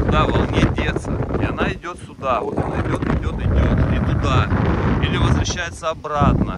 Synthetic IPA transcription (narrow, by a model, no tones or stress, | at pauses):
ʊd̪avɐlˠnʲedʲe̞t̪sə̰ɪɐnaɪdʲo̞t̪sʲʊd̪avot̪ɐnaɪdʲo̞t̪ɪdʲo̞t̪ɪdʲo̞t̪ɪt̪ʊd̪ailʲɪvəzvɾɐɕːæjɪt̪səɐbɾat̪nə